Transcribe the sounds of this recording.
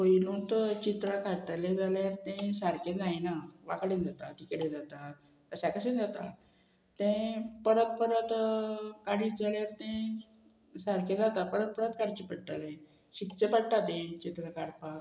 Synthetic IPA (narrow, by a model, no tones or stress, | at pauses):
poilũnt̪t͡ɕit̪ɾakaʈ̪lẽd͡zaljaɾt̪ẽsaɾkẽd͡zajnaʋakɽẽnd͡zat̪at̪ikəɽed͡zat̪a | t̪əsakəsẽnd͡zat̪a̰ | t̪ẽpəɾət̪̚pəɾət̪kaɽid͡zaljaɾt̪ẽ | saɾkẽd͡zat̪apəɾət̪̚pəɾət̪kaɽt͡ɕipəɽʈ̪alẽ | ɕikt͡səpəɽʈ̪at̪ẽt͡ɕit̪ɾakaɽpak